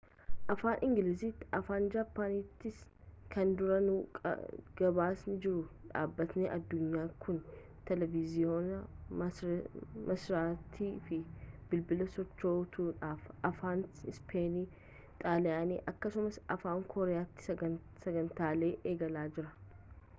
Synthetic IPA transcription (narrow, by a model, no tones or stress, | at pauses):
ʔɐfaːnʔɪŋɡɪliːsiːt̪ːɪʔɐfaːnd͡ʒaːpːaːnit̪ːɪs | kɐnd̪ʊɾɐnṵːɡ̥ɐbaːsnɪd͡ʒɪɾʊᶑa̰ːbːɐt̪neːʔɐd̪ːʊɲːaːkʊn | t̪ɛlɛvɪzɪoːnɐ | mɐsɾaːt̪ʰːiːfɪbɪlbɪlɐsɔt͡ʃːo̞ːt̪uːᶑaːfʔɐfaːnɪspʰeːniː | t̪ʼaːlɛaːnḛːʔɐkːɐsʊmɐsɐfaːŋkʰɔːɾɛjaːt̪ːɪ̥ | sɐɡɐnt̪aːle̞ːʔeːɡɐlaːd͡ʒɪɾɐ